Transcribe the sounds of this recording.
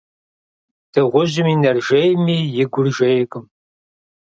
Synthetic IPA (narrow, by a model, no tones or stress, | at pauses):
d̥ɨʁʷʊʒɪminɐrʒejmiːjɪɡʷʊrʒejkʼɨm